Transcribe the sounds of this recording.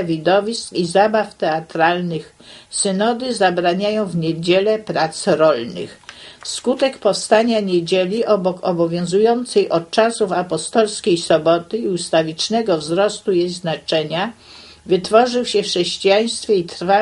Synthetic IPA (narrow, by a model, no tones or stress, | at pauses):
vʲid̪ɔvʲiskizabaft̪ɛat̪ɾalnɘx | sɘnɔd̪ɘzabɾaɲajɔ̃w̃vɲed͡ʑɛlɛpɾat̪sɾɔlnɘ̰xskut̪ɛkpɔfst̪aɲaɲed͡ʑelʲiʔɔbɔkɔbɔvʲjɔ̃w̃zujɔnt̪sɛjʔɔt̪̚t͡ʂasufapɔst̪ɔlskʲejsɔbɔt̪ɘiust̪avʲit͡ʂnɛɡɔvzɾɔst̪ujejznat͡ʂɛɲa | vɘt̪fɔʐɘwɕɛfʂɛɕt͡ɕijaj̃st̪fʲjɛit̪fa